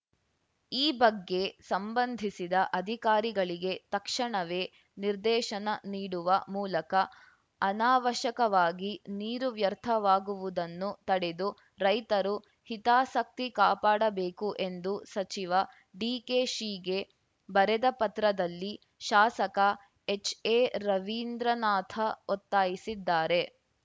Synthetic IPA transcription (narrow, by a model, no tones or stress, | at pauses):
iːbɐɡːe̞sɐmbɐnd̪ʱisid̪ɐʔɐd̪ʱikaːɾiɡɐɭiɡet̪ɐkʂɐɳɐʋe̞ː | niɾd̪ɛːʃɐnɐniːɽuʋɐmuːlɐkɐː | naːʋɐʃɐkɐʋaːɡiniːɾuʋjɐɾt̪ʰɐʋaːɡuʋud̪ɐnːut̪ɐɽed̪u | ɾɐjt̪ɐɾu | hit̪aːsɐk̚t̪ikaːpaːɽɐbeːkuʔend̪usɐt͡ʃiʋɐ | ɖiːkeːʃiːɡe̞ | bɐɾed̪ɐpɐt̪ɾɐd̪ɐlːi | ʃaːsɐkɐ | et͡ʃeːɾɐʋiːnd̪ɾɐnaːt̪ʰɐot̪ːaːjisid̪ːaːɾe̞